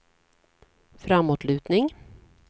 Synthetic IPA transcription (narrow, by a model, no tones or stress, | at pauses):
fɾamːuːʈ̪ɭʉ̟ːt̪nɪŋ